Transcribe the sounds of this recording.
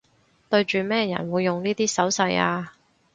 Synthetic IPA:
t̪ɵ˧ɥt͡ʃyː˨mɛː˥jɐ̰˨˩nwuː˨˧jːʊ˨ŋniː˥t̪iː˥sɐ˨˥wsɐ˧jaː˧

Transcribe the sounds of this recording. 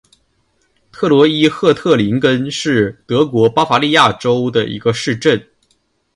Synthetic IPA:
t̪ʰɤ˥˩lwɔ˧˥i˥xɤ˥˧t̪ʰɤ˥˩li˧˥ŋkə˥nʂɻ̩˥˩t̪ɤ˧˥kwɔ˧˥pa˥fa˧˥li˥˧ja˥˩ʈ͡ʂo˥ʊd̪ə˨ḭ˧˥ɡə˧ʂɻ̩˥˧ʈ͡ʂə˥˩n

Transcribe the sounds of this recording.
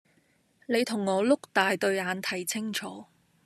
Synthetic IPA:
ne˨˧jt̪ʰʊ˨˩ŋːɔː˨˧lʊ˥k̚t̪aː˨jt̪ɵ˧ɥaː˨˧nt̪ʰɐ˨˩jt͡sʰɪ˥ŋt͡ʃʰɔː˨˧˦

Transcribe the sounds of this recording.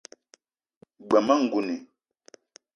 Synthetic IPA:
ɡ͡ba˨ma˦ŋ̩˨ɡu˨ni˨

